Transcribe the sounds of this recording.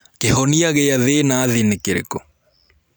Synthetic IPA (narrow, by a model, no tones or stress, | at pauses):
kehɔniaɣeaðenaðenekeɾḛkɔ